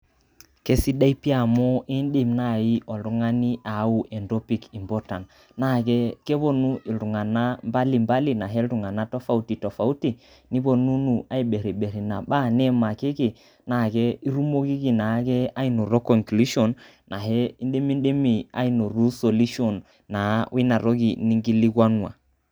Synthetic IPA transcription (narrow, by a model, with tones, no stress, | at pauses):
ke˦si˦ɗa˦i˦pi˦a˨mɔ˦ʔi˦nɗi˨mna˦˨ji˦ʔɔ˨ɾu˦ŋa˦ni˦ʔa˨˦u˨ʔɛ˨ndɔ˦pi˨ki˨mbɔ˦ta˨n | na˦˨ɡɛ˦kɛ˦βo˦nu˦i˨lɾu˨ŋa˨na˦mba˦li˨mba˦li˨na˨ɦɛ˦lɾu˨ŋa˨na˦tɔ˦fa˦u˦ti˨tɔ˨fa˨u˦ti˨ | ni˦βo˨nu˦nu˨a˦i˨ɓe˨ɾi˨ɓe˨ɾi˨na̰˨ɓa˦nɛ˦ma˨ki˦ɡi˨ | na˨ɡɛ˦i˦ɾu˦mo˦ki˦ɡi˨na˨˦kɛ˦a˦i˦nu˨ɾo˦kɔ˨ŋklu˦ʃɔ˨nː | a˨ɦɛ˦i˦nɗe˦mi˦nɗe˦mi˨a̰˦i˦nu˨ɾu˦so˨li˦ʃɔ˨nː | a˨wʔi˦na˨ɾo˦ɡi˨ni˦ŋɡi˦li˦ɡwa˦nu˦a̰˨